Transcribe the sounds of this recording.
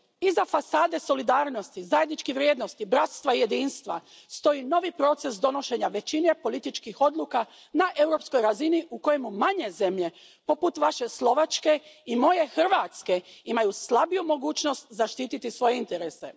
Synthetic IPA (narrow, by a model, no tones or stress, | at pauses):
izafasaːd̪e̞so̞lid̪aːɾno̞st̪izajed̪nit͡ʃkiʋɾjeːd̪nost̪ibɾat̪st̪ʋaije̞d̪iːnst̪ʋa̰ | st̪o̞jino̞ʋipɾo̞t̪se̞sd̪o̞no̞ʃe̞ɲaʋe̞t͡ɕine̞po̞lit̪it͡ʃkixo̞d̪lˠuːka | naʔe̞wɾo̞psko̞jɾaziniʔuko̞jemumaɲeze̞mʎe̞ | po̞put̪ʋaʃe̞slˠo̞ʋat͡ʃke̞imo̞je̞xr̩ʋat̪ske̞imajuslˠabijumo̞ɡuːt͡ʃno̞st̪zaʃt̪iːt̪it̪isʋo̞jeint̪eɾese̞̰